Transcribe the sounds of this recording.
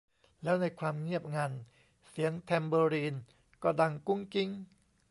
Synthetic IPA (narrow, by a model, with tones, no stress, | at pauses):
lɛː˦˥wna˧jkʰwaː˧mŋi˥˩əp̚ŋaː˧n | si˨˩˦əŋt̪ʰɛː˧mbɤː˧ɾiː˧n | kɔː˥˩da˧ŋku˥˩ŋki˦˥ŋ